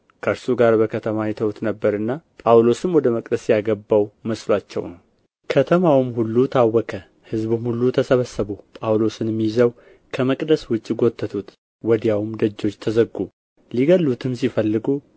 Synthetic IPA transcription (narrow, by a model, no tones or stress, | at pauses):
kʰəɾsuɡaɾbəkʰət̪ʰəmajɛt̪ʰəwt̪nəbːəɾɨnːapʼawlo̞sɨnwɔd̪əməkʼd̪əsjaɡəbːawməslat͡ʃːɛ̰wnəw | kʰət̪ʰəmawɨmhulːut̪ʰawːɔkʰə | hɨzbumhulːut̪ʰəsəβəsːəβupʼawlo̞sɨnɛmːijzəw | kʰəməkʼd̪əswʊt͡ʃʼːiɡo̞t̪ʰʼːət̪ʰut̪ | wɔd̪jawmd̪əd͡ʒːo̞t͡ʃːt̪ʰəzəɡːu | liɡəlːut̪ʰɨmsifəlːɨɡu